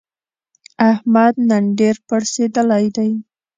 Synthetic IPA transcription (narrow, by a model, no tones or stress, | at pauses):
ahmad̪naɳɖeɾpəɽsed̪əlajd̪aj